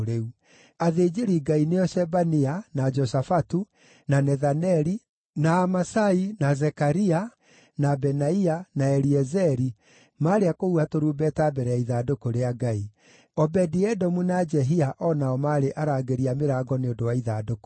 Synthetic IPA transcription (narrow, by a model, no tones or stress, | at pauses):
ɾeu | aðed͡ʒeɾiɡaineɔʃɛbanianad͡ʒɔsafatu | nanɛðanɛɾi | naːmasainazɛkaɾia | nabɛnaianaɛɾiɛzɛɾi | maːɾeakouatoɾuːbɛtabɛɾɛjaiðadokoɾeaɡai | ɔbɛdiɛdɔmunad͡ʒɛɦiaʔɔnaɔmaːɾeʔaɾaːɡeɾiameɾaːɡɔneondowaiðadoko̥